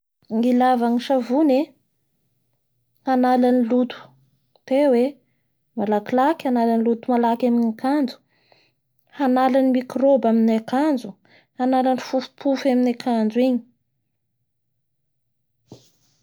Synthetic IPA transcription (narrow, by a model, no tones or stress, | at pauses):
ŋilavaŋiʃavune | hanalanilut̪u̥ | t̪ewe | malakilakanalanilut̪umalakaminakand͡ʒu̥ | hanalanimikrobaminakand͡zu | hanalanifufu̥pʰufaminakʰand͡zuiɲi̥